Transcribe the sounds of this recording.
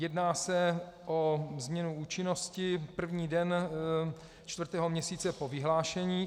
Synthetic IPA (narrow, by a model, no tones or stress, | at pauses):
jɛdnaːsɛʔozmɲɛnuuːt͡ʃɪno̞scɪpr̩vɲiːdɛn | t͡ʃt̪vrt̪ɛːɦo̞mɲɛsiːt͡sɛpovɪɦlaːʃɛɲiː